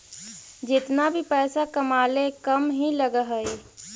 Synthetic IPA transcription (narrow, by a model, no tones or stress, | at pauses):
d͡ʒɪt̪nabʱipɛːsakəmalekəmɦĩləɡəɦəe